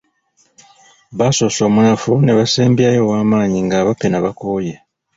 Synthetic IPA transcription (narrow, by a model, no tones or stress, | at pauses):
βaso̞so̞ːmunafuneβaseːmbjajo̞waːmaːɲiŋɡaːβapenaβakoːje